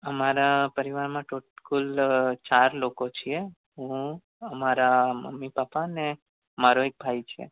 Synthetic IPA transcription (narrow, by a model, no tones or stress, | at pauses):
əmaɾapəɾiʋaɾmãʈʰoʈkult͡ʃaɾlokot͡ʃʰie | ɦũ | əmaɾamə̰mːipapane | maɾoek̚bʱajt͡ʃʰḛ